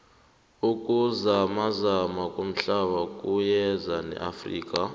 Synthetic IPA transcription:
ukʼuzamazamakʼom̩ɬaɓakʼujɛzanɛ̰ʔafrḭːkʼa

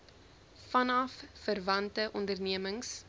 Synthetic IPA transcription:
fɐnɐffərvɐntəʔɔndərniəməŋs

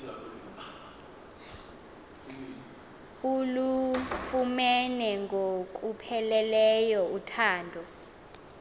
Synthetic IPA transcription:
ulufumɛnɛŋɡʱok̬ʼupʰɛlɛlɛjɔutʰaːndʱɔ

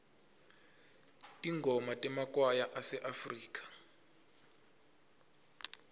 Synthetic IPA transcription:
tʼiŋɡʱɔmatʼɛmakʼwajaʔasɛʔafriːk̬ʼḁ

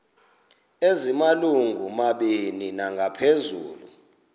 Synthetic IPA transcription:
ezimaluŋɡʱumaɓininaŋɡʱapʰezuːlṵ

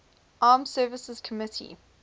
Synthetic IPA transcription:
ʔaːmsɜːvɪsəz̥kʰəmɪtʰḭ

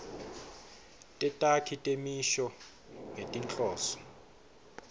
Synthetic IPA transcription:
tʼɛtʼakʰitʼemiʃɔ | ŋetʼint͡ɬʼɔːsɔ̥

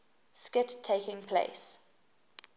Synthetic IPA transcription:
skɪtʰːeɪkɪ̃ŋpʰlḛɪs

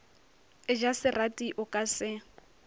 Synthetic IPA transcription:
ɪd͡ʒasɪratʼiʔʊkʼasɪ

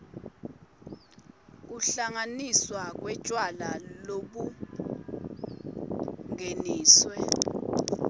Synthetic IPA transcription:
k̬uɬaŋaniswak̬wɛd̥ʒ̥ʱʼwalaloɓu | ŋeniːswɛ

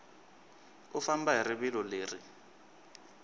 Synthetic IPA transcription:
ʊfambaɦiɾɪbɪlɔleːrɪ

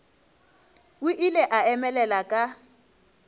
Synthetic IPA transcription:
ʊʔilɛʔaɛmɛlɛlakʼa

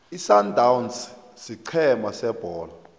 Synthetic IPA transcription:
isandʱawuns | siǃʰɛmasɛb̥ʱɔːla

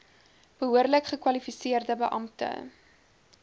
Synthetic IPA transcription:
b̥əɦuərləkχəkwɐlifisiərdəbəʔɐmtə̰

